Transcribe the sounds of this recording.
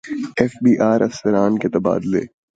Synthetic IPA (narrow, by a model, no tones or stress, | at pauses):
ɛːfbiːʔaːɾɐ̰fsəɾaːnket̪ɐba̰ːd̪lḛː